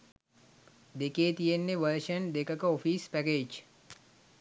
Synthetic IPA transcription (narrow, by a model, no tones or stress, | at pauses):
d̪ekeːt̪ijenːeʋəɾʃənd̪ekəkəofiːspækeːd͡ʒ